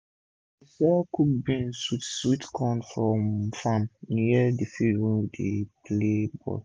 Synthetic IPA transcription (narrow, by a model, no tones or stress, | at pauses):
isɔkʰuk̚bĩnswitswitkʰɔ̃nfɹɔ̃mfãmnjɛdefidwɛ̃nwideplebɔ̰l